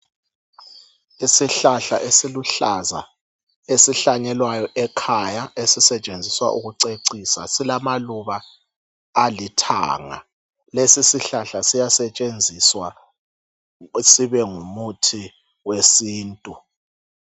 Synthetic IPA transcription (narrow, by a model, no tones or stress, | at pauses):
isiɬaɬa̰ʔesiluɬaza̰ | esiɬaɲɛlwajɔʔɛkʰajaʔesisɛt͡ʃʼend͡zʱiswa̰ʔṵɣuǀeǀisa̰silamaluβaː | litʰa̰ːŋa̰ | lesisiɬaɬasijasɛt͡ʃʼend͡zʱiswa | siβɛŋumutʰi | wesiːntʼu